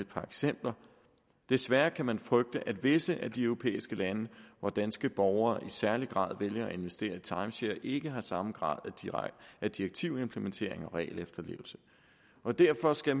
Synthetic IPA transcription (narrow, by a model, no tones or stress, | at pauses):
ed̥̚pʰɑ̈eɡ̥sem̰b̥lɐ | d̥e̝sʋæɐkʰæmænfʁœɡ̥̚d̥əʔæd̥ʋe̝səʔæd̥iœʊʁo̝pʰḛːisɡ̥əlænəʋɒd̥ænsɡ̥əb̥ɒʊɐːʔisæɐliɡ̥ʁɑ̰̈ːð̞̰ˠʋeljɐæe̝nʋesd̥e̝̰ːɐit͡sʰɑ̈ɪmɕeɐʔe̝ɡ̥əɦɑ̈sɑ̈mɡ̥ʁɑ̰̈ːð̞̰ˠæ̥ | æd̥iʁɐɡ̥̚t͡sʰiʊ̰e̝mpʰləment͡sʰe̝ɐ̰e̝ŋɒ̽ʁɛ̰ːlefd̥ɐle̝̰ːʊl̩sə̥ | ʔɒ̽d̥æɐ̰fɒ̽sɡ̥æ